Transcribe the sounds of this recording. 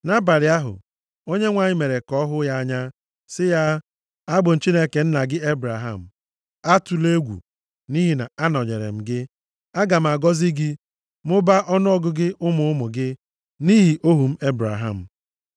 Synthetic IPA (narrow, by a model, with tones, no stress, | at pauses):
na˦ba˨ɾɪ˨a˦ɦʊ̰˨ | o˦ɲe˦ŋʷa˨ɲɪ˦me˨ɾe˨kɔ˦ɦʊ˦ja˦a˦ɲa˦ | sɪ˦ja˦ | a˦ɡ͡bʊ˨n̩˨t͡ʃi˦ne˦ke˨n̩˦na˨ɡɪ˦e˦bɾa˨ɦa̰˦˨m̩˨ | a˦tu˨le˦ɡʷṵ˨ | ni˦ɦi˨na̰˨a˦nɔ˨ɲḛ˨ɾḛ˨m̩˨ɡɪ˦ | a˦ɡa˨m̩˨a˨ɡɔ˦zi˦ɡi˦ | mʊ˦ba˦ʔɔ˦nʊ˦ɔ˦ɡʊ˦ɡɪ˦ʔʊ˦mʊ˨ʊ˦mʊ˨ɡɪ˦ | ni˦ɦi˨ʔo˦ɦu˨m̩˦e˦bɾa̰˨ɦa̰˦˨m̩˨